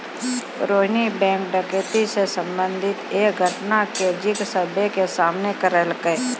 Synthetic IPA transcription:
ɾoːɦnibɛ̃ːŋk̚ɖəkeʈ̪isesə̃mbə̃nd̪ʱɪt̪eːkɡʱəʈnaked͡ʒɪksəbʱekesaːmnekəɾəlke

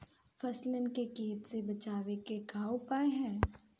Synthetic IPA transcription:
fɐslɪnkekeːt̪sebɐt͡ʃaːwekeɡʱaːopaeɦɛ̃ː

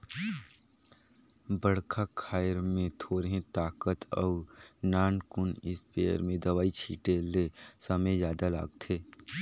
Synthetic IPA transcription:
bəɽ̤kʰakʰaːɾmẽt̪ʰoːɾɦẽt̪aːkət̪ɔ̰ːɾnaːnkʊnɪspeːə̰ɾmẽd̪ɐwaːit͡ʃʰḭːʈelesəməjzjaːd̪ala̰ːɡt̪ʰeː

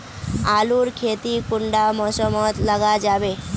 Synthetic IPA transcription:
aluɾkʰet̪ikuɳɖamɔsɔmɔt̪ləɡad͡ʒabe

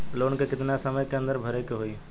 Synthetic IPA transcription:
loːnkekɪt̪nasɐməjkeɐ̃nd̪əɾbʱɐɾekeɦoi

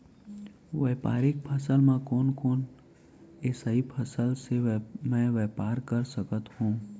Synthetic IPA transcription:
ʋɛːpaːɾɪk̚pʰəsəlmẽkoːnkoːn | eːsəipʰəsəlsemɛ̃ːʋeːpaːɾkəɾsəkət̪hũː

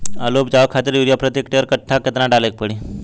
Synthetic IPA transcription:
əlopd͡ʑaʋkʰat̪əɾjuɾjapɾət̪jekʈeʋəɾkəʈʰːakət̪naʈalek̚pəɽi

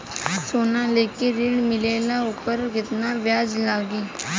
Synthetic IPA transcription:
soːnaːleːkeɾɪɳmɪleːlaːʊpəɾkɪt̪naːʋjaːd͡ʒlaːɡiː

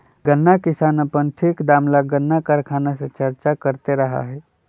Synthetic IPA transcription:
ɡənːakɪsaːnəpənʈʰikd̪aːmlaɡənːakəɾkʰaːnaset͡ʃəɾt͡ʃakəɾt̪eɾɐɦa̰ɦɛː

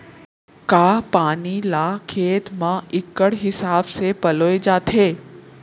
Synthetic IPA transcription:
kaːpaːnilaːkʰeːt̪mãɪkəɽɦɪsaːbsepɐloːed͡ʒaːt̪ʰeː

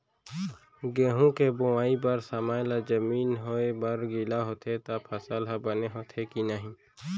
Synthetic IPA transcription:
ɡeːɦũkeboaːibɐɾsamaːjlad͡ʒɐmiːnɦoebɐɾɡilaɦoːt̪ʰet̪apʰɐsalɦabɐneɦoːt̪ʰekinəɦĩː

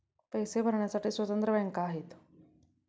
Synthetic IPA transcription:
pəjsebʱəɾɳjasaʈiːsʋət̪ənt̪ɾəʋɛ̃ŋkaːɦet̪

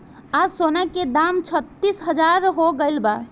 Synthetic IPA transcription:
asonaked̪amt͡ʃʰət̪ːisɦəd͡ʒaɾɦoɡəjlba

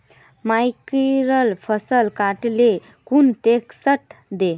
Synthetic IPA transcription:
majkiɾəlfʰəsəlkaʈle | kunʈeksəʈd̪e

